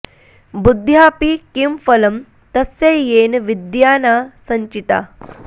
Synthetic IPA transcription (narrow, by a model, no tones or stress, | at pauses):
bud̪ʱːjaːpikimfɐlɐm | t̪ɐseːjeːnʋid̪jaːnaːsɐɲt͡ʃit̪a̰ː